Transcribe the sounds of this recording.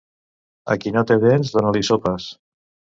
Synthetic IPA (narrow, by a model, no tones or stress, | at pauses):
a̰kinot̪eβenzðonalisopas